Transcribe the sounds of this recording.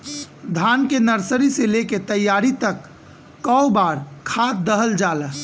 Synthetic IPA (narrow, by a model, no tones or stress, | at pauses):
d̪ʱankenəɾsəɾiseleket̪əjaɾit̪əkː | əwbaɾkʰat̪̚d̪əɦəld͡ʒalə